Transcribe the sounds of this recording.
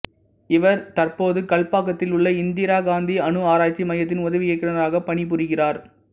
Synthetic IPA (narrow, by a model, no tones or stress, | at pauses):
ɪʋɐɾt̪ɐrpoːðɯkɐɭpaːkːɐt̪ːɪlʊɭːɐɪnd̪ɪɾaːɡaːnd̪iɐnɯaːɾaːjt͡ʃːimɐjɐt̪̬ːɪnʊðɐʋɪjɐkːɪɐɐɾaːɣɐpːɐɳip̬ːʊrɪɣɪraːɾ